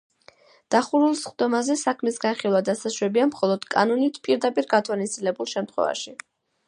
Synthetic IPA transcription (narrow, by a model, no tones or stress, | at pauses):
d̪̥aχuɾulˠsχd̪ɔmazɛsakʰmisɡanχilˠwad̪asaswɛbiamχɔlˠɔd̪̥kʼa̰nɔnit̪ʰpʼiɾd̪apʼiɾɡat̪ʰwanisʼilɛbulˠʃɛmt̪ʰχwɛ̰va̰ʃi